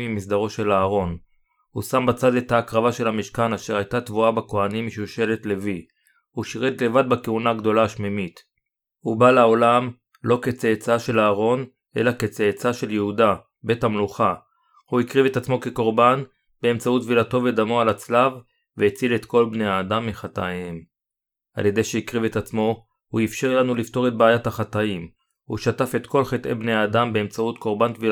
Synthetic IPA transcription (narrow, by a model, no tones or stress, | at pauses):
imisd̪aʁo̞ʃe̞laːʁo̞n | husambat͡sad̪e̞t̪aːkʁavaʃe̞lhamiʃkanaʃe̞ʁajtat̪vuabako̞animːiʃuʃe̞le̞tle̞vi | huʃiʁet̪le̞vad̪̚bakeunaːɡd̪o̞laːʃmimit | hubalao̞lam | lo̞ke̞t͡seːt͡saʃe̞laːʁo̞n | ʔe̞̰laket͡seːt͡saʃe̞ljehuda | be̞thamluχa | huikʁive̞tat͡smo̞ke̞ko̞ʁban | be̞ːmt͡sautvilato̞ved̪amoalat͡slav | veet͡silet̪ko̞lbnejaːdamːiχat̪ajem | a̰lje̞d̪ejʃeikʁivetat͡smo̞ | huifʃeʁlanulift̪o̞ʁe̞t̚baːjathaχataim | hṵʃatafet̪ko̞lχet̪ʔebneaːd̪ambeemt͡sautkʰo̞ʁbant̪vil